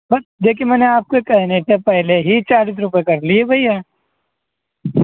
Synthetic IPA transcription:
bɐsd̪eːkʰiemɛːneaːp̚koekɛɦnetepɛɦleɦit͡ʃaːɾiːs̬ɾʊp̬ekɐɾliebʱɐijaː

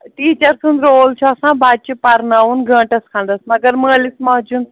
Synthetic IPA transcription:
ʈ̪iːt͡ʃɐɾsund̪ɾoːlt͡ʃʰɔɐsãːbaːt͡ʃipɐɾnaːunɡʱɐ̃ːʈɐskʰãːnd̪ɐsmɐɡɐɾməːlismãːd͡ʒun

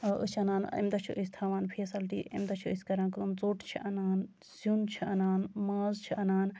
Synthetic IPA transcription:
ʔɨ̰t͡ʃʰɐnaːnḭmd̪ɐt͡ʃʰiʔəsʲt̪ʰaːʋaːnpʰeːsɐlʈḭːʔɐ̰md̪ɐt͡ʃʰiɨsʲkɐɾãːnkːmt͡soːʈt͡ʃʰiʔɐnaːn | sunt͡ʃʰiɐnaːnmaːzt͡ʃʰiʔɐnaːn

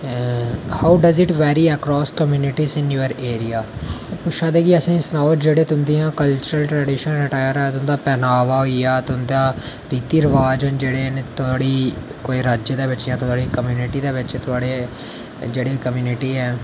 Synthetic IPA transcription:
haʊɖəzɪʈʋɛːɾiːəkɾɔːskəmjuːnɪʈiːsɪnjuəɾeːɾijaːpʊʃʰaːd̪eːkiəsĩːsnaːʊʈd͡ʒeːɽeːt̪ʊnd̪ijãːkəlt͡ʃəɾəlʈɾɛɖiːʃənɾɪʈaːjəɾɛːt̪ʊnd̪aːpɛːnaːʋaːɦoijaːt̪ʊnd̪aː | ɾiːt̪iːɾəʋaːd͡ʒənd͡ʒeːɽeːnt̪ʊaːɽiː | koːiɾaːd͡ʒjəd̪eːʋɪt͡ʃjãːt̪ʊɽiːkəmjuːnɪʈiːd̪eːʋɪt͡ʃːt̪ʊaːɽe | d͡ʒeːɽeːkəmjuːnɪʈiːɛː

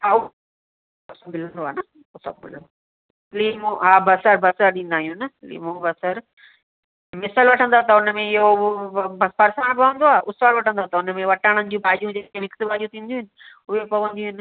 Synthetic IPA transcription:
ɦaːʊ | ɐsamɪl̤ə̃nd̪oaːnɐ | ʊsɐ̰bmɪ̰l | limõɦaːbɐsəɾbɐsəɾɗĩːn̆d̪aːɦijũnəlḭːmõbɐsəɾ | mɪsəlʋɐʈʰə̃nd̪aːt̪ɐʊnəmẽɪɦobɐpɐɾsaːɽ̃bʱɐʋə̃nd̪oaːʔʊsʋaːlʋɐʈʰə̃nd̪ot̪ɐʊnəmẽʋɐʈaːɽ̃ənɪ̆d͡ʑũbʱaːʄjũd͡ʑeːkenɪksbʱaːd͡ʒũt̪ʰĩːn̆d̪iũɦɪnɪ̆ | ʊɦepɐʋə̃nd̪iũɦɪnɪ̆

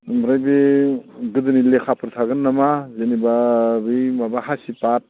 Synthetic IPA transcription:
mɾajbi | ɡɯdɯnilekʰapʰɯɾt̪ʰaɡɯnːamazenibabijmabaɦasipat̚

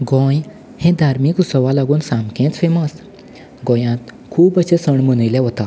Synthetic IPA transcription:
ɡɔ̃j | hẽd̪ʱaɾmikusəʋalaɡuːnsãmkẽt͡sfeməs | ɡɔ̃jãt̪ | kʰuːpəsesəɳmənəjlɛ̃ɦot̪a

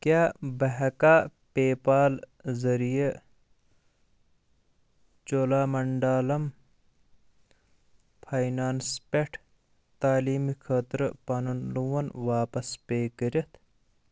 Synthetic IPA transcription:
kʲaːbɐɦɐkaːpeːpaːlzɐɾije | t͡ʃoːlaːmɐɳɖaːlɐm | pʰajnaːnspeʈʰ | t̪aːliːmikʰɐːt̪ɾpanunluwɐnʋaːpɐspeːkəɾɐt̪ʰ

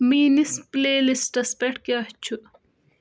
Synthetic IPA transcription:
miːnispleːlisʈɐspeʈkeɐht͡ɕʰu

